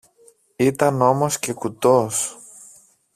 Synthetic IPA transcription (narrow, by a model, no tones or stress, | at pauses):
it̪ɐno̞mo̞sce̞kut̪os